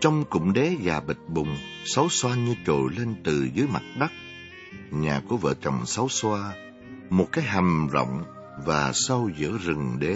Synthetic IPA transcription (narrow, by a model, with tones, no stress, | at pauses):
t͡ɕɔ˧wŋ͡mkʊ̰˧˨ŋ͡mɗɛ˨˦zaː˨˩ɓi˨˩t̟̚ɓʊ˨˩ŋ͡msa˨˦wswaː˧ɲɨ˧t͡ɕo̰˧˨le˧nt̪ɨ˨˩zɨ˨˦jma˨˩t̚ɗa˦˥k̚ | ɲaː˨˩ku˧˩əvə̰ː˧˨t͡ɕə˨˩ŋ͡msa˨˦wswaː˧ | mo˨˩t̚kaː˨˦jɦa˨˩ŋzə̰˧˨wŋ͡m | vaː˨˩sə˧wzɨ̰˧˥əzɨ˨˩ŋɗe˨˦